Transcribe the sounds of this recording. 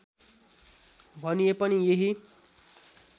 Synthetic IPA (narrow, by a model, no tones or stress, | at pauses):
bʱʌnijepʌnijeɦi